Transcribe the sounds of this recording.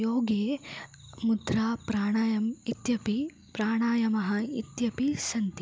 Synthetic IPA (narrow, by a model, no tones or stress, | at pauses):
joːɡeː | mud̪ɾaːpɾaːɳaːjɐmit̪jɐpi | pɾaːɳaːjɐmɐɦɐit̪jɐpisɐnt̪i